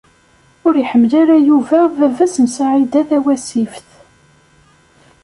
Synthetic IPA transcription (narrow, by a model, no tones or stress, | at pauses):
ʊɾijħəmːlaɾæjuvæðævæsənsaʕid̪æθæwæsifθ